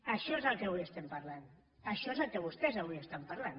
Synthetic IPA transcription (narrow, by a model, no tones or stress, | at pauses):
əʃɔezəlˠkeβuiəst̪ɛmpɐɾlan | əʃɔezəlˠkeβust̪ɛzəβuiəst̪ampɐɾlan